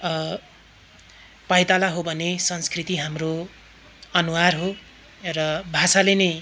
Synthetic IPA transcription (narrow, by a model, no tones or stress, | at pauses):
pajt̪alaɦobʱʌnesʌnskrit̪iɦamro | ʌnuwarɦo | rʌbʱasalenʌj